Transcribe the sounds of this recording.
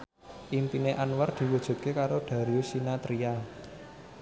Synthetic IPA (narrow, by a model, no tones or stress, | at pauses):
ʔimpineʔanward̪̥i̤wud̥ʒ̥ṳt̪̚kekaɾoɖ̥ä̤ɾiusinat̪ɾia